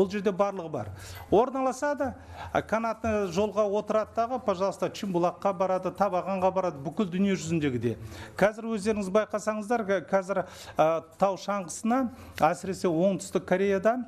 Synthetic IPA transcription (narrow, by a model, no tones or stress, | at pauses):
olˠʒe̞ɾd̪e̞bɑɾlˠəʁəbɑ̰ɾwo̞ɾnɑlˠɑsɑd̪ə̰ | kʰanɑt̪ːəʒo̞lˠʁɑwo̞t̪əɾɑt̪ːɑʁəpʰɑʒɑlˠəst̪ɑt͡ʃʰimbulˠɑqːɑbɑɾɑd̪ət̪ʰɑpɑʁɑɴʁɑbɑɾɑd̪əbʏkʲɪld̪ʏnijeʒʏzɪnd̪e̞ɡʲɪd̪e̞̰qʰɑzɪɾwɵzd̪e̞ɾɪŋɪzbɑjqɑsɑɴəzd̪ɑɾqʰɑzɪɾ | ət̪ʰɑwʃɑɴqəsənɑ | æsɪɾe̞se̞wo̞ɴt̪ʰʏ̥st̪ɪkʰːoɾʲe̞jad̪ɑ